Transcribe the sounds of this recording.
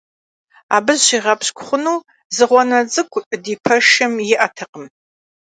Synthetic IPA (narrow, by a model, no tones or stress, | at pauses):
a̰ːbɨzɕiʁɐpɕkʷʰʼʊχʷʊnuː | zɨʁʷɔnɐt͡sʼɨkʷʰʼdiːpʰɐʃɐmjɪʔɐtʰɐqəm